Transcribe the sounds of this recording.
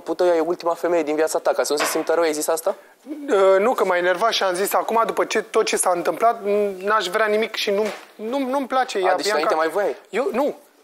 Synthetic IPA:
put̪əwjajeult̪imafeme̞jed̪invijat̪sat̪akasunsəsimt̪əɾəwjajzisast̪a | ənukəmajne̞rvaʃiamzisakumad̪upət͡ʃe̞t̪o̞t̪̚t͡ʃe̞saɨnt̪ɨmplat̪naʃvɾʲeanimikʃinunumnumplat͡ʃe̞jadet͡ʃanaiemajvojajjonu

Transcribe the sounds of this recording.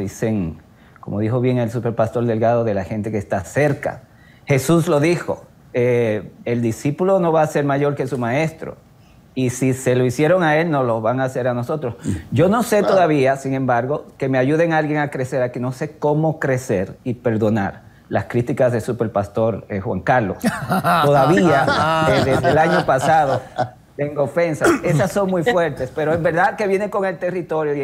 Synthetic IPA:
iseŋ | ko̞̰mo̞ðixo̞βje̞ŋe̞lsupe̞ɾpast̪o̞ɾd̪e̞lɣaðo̞ðe̞laxe̞nt̪e̞keːst̪ase̞ɾka̰ | xe̞suslo̞ðixo̞̰ | eeld̪isipulo̞no̞βaːse̞ɾmaʝo̞ɾkesumae̞st̪ɾo̰ | isise̞lo̞isje̞ɾo̞ŋae̞lno̞lo̞βaŋaːse̞ɾano̞so̞t̪ɾo̞sɟ͡ʝo̞no̞se̞t̪oðaβiasiŋẽ̞mbaɾɣo̞ke̞me̞aʝuðe̞ŋalɣje̞ŋakɾe̞se̞ɾakeno̞se̞ko̞mo̞kɾe̞se̞ɾipe̞ɾðo̞na̰ɾ | laskɾit̪ikazðe̞supe̞ɾpast̪o̞ɾexwa̰ŋkaɾlo̞̰st̪o̞ðaβiaeðeszðelaɲo̞pasaðo̞ | t̪e̞ŋɡoofe̞nsasesasːo̞ŋmujfwe̞ɾt̪e̞spe̞ɾoembe̞ɾðaðke̞βje̞neŋko̞ŋe̞lt̪e̞rit̪o̞ɾjo

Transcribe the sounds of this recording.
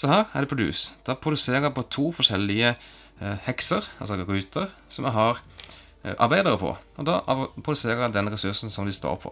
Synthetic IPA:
sɔhæːʁæ̰ɖ̪ɛpʰɾʊd̪ʉ̰ːsd̪̥ɑpʰɾʊd̪ʉseːʁəpɔt̪ʰuːfɔʂɛlːɪə | hɛksəɾɑ̰lsɔɾʉːt̪ʰəʁ | sɔmjæɦɑɾ | ʔɑɾbæɪd̪əɾəpʰɔ̰ʔɔd̪ɑ̰ːʔɑpʰʁʊd̪ʉseːɾəæd̪ɛnɾɛsʉsn̩sɔmd̪ɪst̪o̰ːɾpʰɔ̰

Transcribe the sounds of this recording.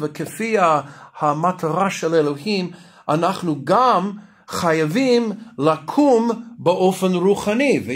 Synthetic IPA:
vəkəfiahamatʰaʁaʃɛlelohim | ʔanaχnuɡam | χajavimlakʰumbəʔofənɾuχanivə

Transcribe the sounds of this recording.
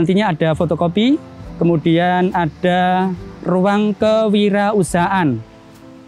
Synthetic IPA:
ant̪iɲaaɖ̥a̤fot̪okopikəmud̥ianaɖ̥a̤ruwaŋkəwiɾausaʔan

